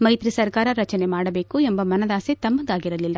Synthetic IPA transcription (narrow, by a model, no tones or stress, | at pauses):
mɐjt̪ɾisɐɾkaːɾɐɾɐt͡ʃɐne̞maːɽɐbe̞ːkuembɐmɐnɐd̪aːset̪ɐmːɐnd̪aːɡiɾɐlilːɐ